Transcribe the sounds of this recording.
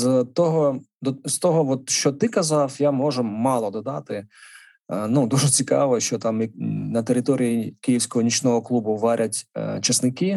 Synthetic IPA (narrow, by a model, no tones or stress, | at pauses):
zt̪ɔɦɔd̪ɔst̪ɔɦɔʋɔt̪ʃt͡ʃɔt̪ɪkɐzɑwjamɔʒɛmɑlˠɔd̪ɔd̪ɑt̪ɪ | nud̪uʒɛt͡sʲikɑ̰ʋɔʃt͡ʃɔt̪ɑmnɐt̪eɾɪt̪ɔɾʲijikijiwsʲkɔɦɔnʲit͡ʃnɔɦɔklˠubʊʋɑɾʲʔɐtʲt͡ʃɐsnɪkɪ